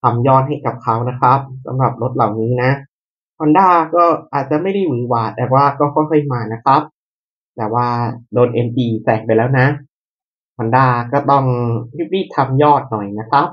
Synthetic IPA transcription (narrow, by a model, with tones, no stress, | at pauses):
t̪ʰa˧mjɔː˥˩t̪̚hɦa˥˩jka˨˩p̚kʰa˦˥wna˦˥kʰa˦˥p̚sa̰˨˦mɾa˨˩p̚ɾo˦˥t̪̚la˨˩wniː˦˥na˦˥ | kʰɔ˧˥ndaː˧˩kɔː˥˩ʔaː˨˩t̪̚t͡ɕa˨˩ma˥˩jda˥˩jwɯː˨˩˦waː˨˩t̪̚ʔɛː˨˩waː˥˩kɔː˥˩kʰɔ˥˩jxʰɤ˧˩jmaː˧na˦˥kʰɾa˦˥p̚ | t̪ɛː˨˩waː˥˩doː˧nʔe˧mpiː˧sɛː˨˩ŋpa˧jlɛː˦˥wna˦˥ | kʰɔ˧ndaː˧˩kɔː˥˩t̪ɔ˥˩ŋpi˦˥p̚liː˥˩t̪ʰːa˧mjɔː˥˩t̪̚nɔ˨˩jna˦˥kʰɾa˦˥p̚